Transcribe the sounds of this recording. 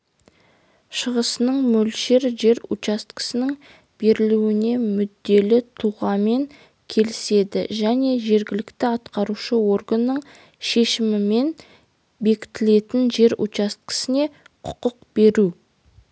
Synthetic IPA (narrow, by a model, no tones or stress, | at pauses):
ʃəʁəsənəɴmɵlʃe̞ɾʒe̞ɾṵt͡ʃast̪kə̥sɪnɪŋ | b̥e̞ɾɪluɪne̞mʏd̪ːe̞lɪt̪ʰuʁɑme̞ŋ | kʲʰe̞lɪse̞d̪ɪ̰ʒæne̞ʒe̞ɾɡʲɪlɪkt̪ɪɑt̪qɑɾuʃəwo̞rɡənːəɴ | ʃe̞ʃɪmɪme̞n | be̞kʲɪ̥t̪ɪle̞t̪ɪnʒe̞ɾṵt͡ʃɑst̪̚kə̥sɪne̞ | qʰʊ̥qəq̚be̞ɾu